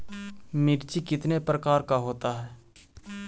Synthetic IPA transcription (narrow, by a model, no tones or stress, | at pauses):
mɪɾt͡ʃikɪt̪nepɾəkaːɾkaɦoːt̪aɦɛː